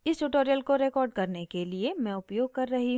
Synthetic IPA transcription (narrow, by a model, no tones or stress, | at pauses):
ɪsʈuʈoːɾijəlkoɾekɔːɾɖ̚kɐɾnekeliemɛ̃ʊpjoːɡ̚kɐɾːɐɦiɦ